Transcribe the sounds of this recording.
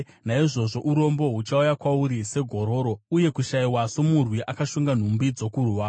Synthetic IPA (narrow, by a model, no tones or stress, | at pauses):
naiʐo̞ʐo̞ʔuɾo̞mbo̞ɦut͡ʃaujakwauɾise̞ɡʱo̞ɾo̞ːɾo̞uje̞kuʃaiwaso̞murwiʔakaʃuŋɡan̤umbid͡zo̞kuruwa